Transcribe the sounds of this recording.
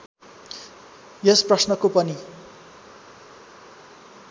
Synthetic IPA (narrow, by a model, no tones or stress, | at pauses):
jʌsprʌsnʌkopʌni